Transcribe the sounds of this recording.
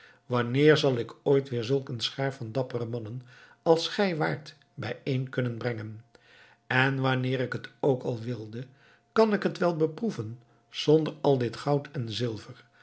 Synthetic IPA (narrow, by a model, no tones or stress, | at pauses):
ʋɑnɪːɹzɑlˠɪkʰoːjtʋɪːɹzɵlˠkənsχɛɹfɑndɑpərəmɑnən | ɑlˠsχɛjʋaːɹt | bɛjejnkɵnənbrɛŋən | ɛnʋɑnɪːɾɪkɦətowkɑlˠʋɪlˠdə | kɑnɪkɦətʋɛlˠbəpruvən | z̥ɔndəɹɑlˠdɪtχɑwtʰɛnzɪlˠvəɹ